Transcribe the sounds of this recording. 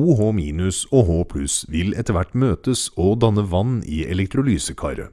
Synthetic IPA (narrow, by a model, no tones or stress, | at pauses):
uːɦoːmiːnʉsoːɦoːpʰlʉsʋɪlɛt̪əɾʋæʈmøːt̪əsoːd̪ɑnəʋɑniːʔɛ̰lɛk̚t̪ɾʊlyːsəkʰɑ̰ːɾə̰